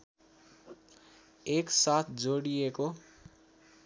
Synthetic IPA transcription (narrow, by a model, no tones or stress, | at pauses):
eksat̪ʰd͡zoɽijeko